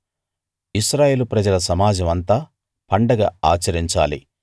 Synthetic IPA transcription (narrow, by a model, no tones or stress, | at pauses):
iʃɾaːje̞ːlupɾɐd͡ʒɐlɐsɐmaːd͡ʒɐmɐnt̪aː | pɐɳɖɐɡaaːt͡ʃɐɾiɲt͡ʃaːlḭ